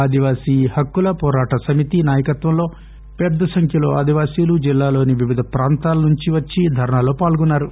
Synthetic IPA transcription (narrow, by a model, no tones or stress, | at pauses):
aːd̪ʱiʋaːsiːhɐkːulɐpɔːɾaːʈɐsɐmit̪inaːjɐkɐt̪ʋɐmlo̞ː | pɛd̪ːɐsɐŋkʰjɐlo̞̰ːaːd̪ʱiʋaːsiːlud͡ʒilːaːlo̞ːniʋiʋid̪ʱɐpɾaːnt̪aːlɐnuɲt͡ʃiʋɐt͡ʃːid̪ʱɐɾɐɳaːlo̞ːpaːlɡunːaːɾu